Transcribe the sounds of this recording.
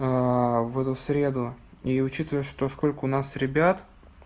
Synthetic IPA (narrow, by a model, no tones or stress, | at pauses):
avɛt̪ʊsɾʲe̞d̪ʊiʊt͡ɕit̪əvəjəʂt̪osko̞lʲkəʊnasɾʲɪbʲat̪